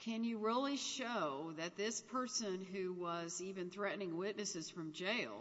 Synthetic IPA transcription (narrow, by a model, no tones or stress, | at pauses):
kʰɨ̃njɨɹɪlˠiʃoʊðɨt̪̚ðɪspʰɜ˞sɨ̃nɦʉwʌzivɨ̃nθɹɛʔn̩ɪ̃ŋwɪtⁿnɨsɨz̥fɹʌ̃md͡ʒeɪlˠ